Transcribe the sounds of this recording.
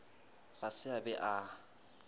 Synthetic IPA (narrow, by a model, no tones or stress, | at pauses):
rasɪabɛʔa